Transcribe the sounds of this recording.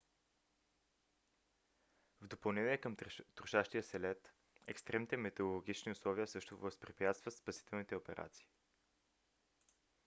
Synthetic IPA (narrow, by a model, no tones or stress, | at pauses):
vd̪opɐlˠnɛniɛkəmt̪ɾʊʃaʃt̪ijəsɛlɛt̪ | ɛkst̪ɾɛmnit̪ɛmɛt̪ɛʊlˠoɡʲit͡ʃniʊslˠɔviəsɤʃt̪ʊvəspɾɛpjat̪st̪vət̪spɐsi̥t̪ɛlˠnit̪ɛopɛɾʔa̰t̪si̥ː